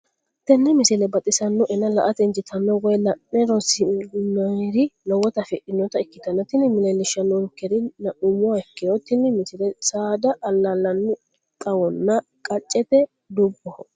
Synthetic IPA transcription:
t̪ɛnːɪmɪsɪlɛbɐt̪ʼɪsɐnːɔʔɛnːɐlɐʔɐt̪ɛnd͡ʒɪt̪ʰɐnːɔwɔjlɐnːɛɾɔsɪnɐɾɪlɔwɔt̪ɐfɛʔɪnːɔt̪ɐɪkːɪt̪ɐnːɐt̪ɪnɪmɪlɛlːɪʃɐnːɔlʊkːɛɾɪnɐʔʊɲːɔɐkːɪjɔt̪ːɪnːɪmɪsɪlɛsaːd̪ɐʔːlːɐlːɐnːʊ | t̪ʼɐwɔnːɐ | kʼɐt͡ʃʼːɛt̪ɛ | d̪ʊbːɔh

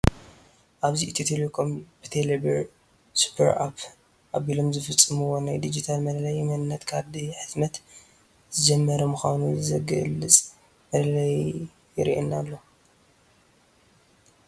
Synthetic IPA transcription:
ʔaβziʔɨt̪ʰit̪ʰilokʰompi̥t̪ʰelebɐɾ | su̥pʰɐɾa̰p | ʔaβilomzɨfɨt͡sʼːɨmɨwonajd̪id͡ʒit̪ʰalmɐlɐlɐjmɐnɨnːɐt̪kʰaɾd̪iħɨzmɐt̪ | zɨd͡ʒɛmːɐɾɐmuxa̰nuzɨzɐɡɐ̰lːɨt͡sʼ | mɐlɐlɐj | jɪɾḭʔinalːo̞

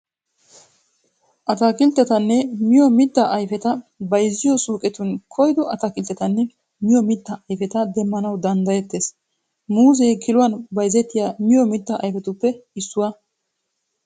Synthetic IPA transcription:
ʔɐt̪ɐkɪlt̪ːɛt̪ɐnːɛmɪjɔmɪt̪ːɐʔɐjfɛt̪ɐbɐjzːɪjɔsuːkʼɛt̪ʊnkʰɔjd̪ɔɐt̪ɐkɪlt̪ːɛt̪ɐnːɛ | mɪjɔmɪt̪ːɐʔɐjfɛt̪ɐd̪ɛmːɐnɐwd̪ɐnd̪ɐjɛt̪ːeːs | muːzejkʰɪlʊwɐnbɐjzɛt̪ːɪjaːmɪjɔmɪt̪ːɐʔɐ̰jfɛt̪ʊpːɛɪsːʊwɐ

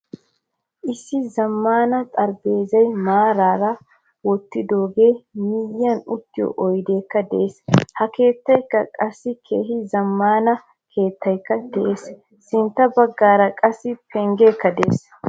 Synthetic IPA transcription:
ʔɪsːɪzɐmːaːnɐt̪ʼɐɾbe̞ːzɐjmaːɾaːɾɐ | wɔt̪ːɪd̪o̞ːɡe̞ːmɪjːɐnʊt̪ːɪjɔ̰ʔɔjd̪e̞ːkːɐd̪ɛ̰ʔeːshɐke̞ːt̪ːɐjkːɐkʼɐsːɪkʰe̞̰ːɦɪzɐmːaːnɐ | kʰe̞ːt̪ːɐjkːɐd̪ɛʔe̞ːs | sɪnt̪ːɐbɐɡːaːɾɐkʼɐsːɪpʰɛŋɡe̞ːkːɐd̪ɛḛːs

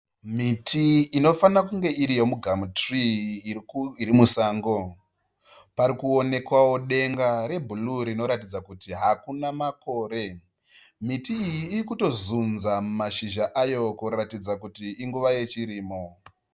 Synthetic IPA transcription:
mitʰiːno̞fanakuŋɡe̞iɾijo̞muɡʱamutri | iɾimusaːŋɡo̞ | paɾikuo̞ne̞kwawo̞ɗe̞ŋɡaɾe̞bʱuluɾino̞ɾatid͡zakutiɦakunamako̞ːɾe̞ | mitiːjiːikuto̞zunzamumaʃiʒaʔajo̞koratid͡zakutiːŋɡuʋaje̞t͡ʃiɾiːmo̞

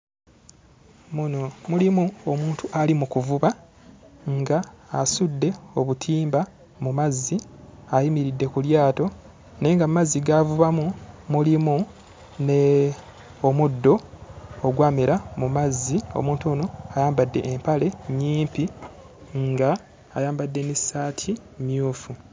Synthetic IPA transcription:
munomulimuomuːntuʔalimukuvuβa | ŋɡaːsudːe̞o̞βutʰiːmba | mumazːiajimiɾidːe̞kuljaːto̞ | ne̞ːŋɡamumazːiɡavuβamumulimu | ne | omudːo̞oɡwaːmeɾamumazːio̰mũːntoːnoajaːmbadːe̞̰ʔːmpale̞ɲːiːmpi | ŋɡaː | jaːmbadːe̞nisaːtʰi | mjuːfu

